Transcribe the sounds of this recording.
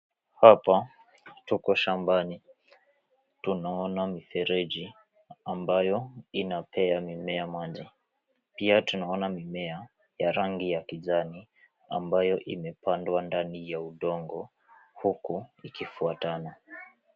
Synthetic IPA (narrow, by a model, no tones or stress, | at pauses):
hapa | tukɔʃambani | tunaɔnamifɛɾɛʄi | ambajɔinapʰɛamimɛamaʄi | piatunaɔnamimɛa | jaɾaŋɡijakizani | a̰mbajɔʔimɛpandwandanijauɗɔŋɡɔ | hukuikifuatana